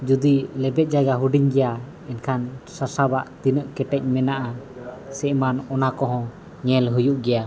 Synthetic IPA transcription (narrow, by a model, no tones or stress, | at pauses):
d͡ʒud̪ilɛbɛt̪̚d͡ʒaɡaɦuɖiɲɡɛja | ɛnkʰansasabaʔt̪inəʔkɛʈɛc̚ˀmɛnaʔasɛʔmanɔnakɔɦɔ̃ | ɲɛlɦujuʔɡɛja